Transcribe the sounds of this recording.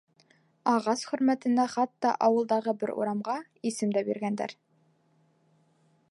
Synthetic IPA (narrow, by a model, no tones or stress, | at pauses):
ɑʁɑsχɵ̆ɾmæt̪ɘ̆næχɑt̪ːɑ̰ʔɑwɤ̆lˠd̪ɑʁɤbɘɾʔṵɾɑmʁɑ | isɘmd̪æbḭɾɡænd̪æ̰ɾ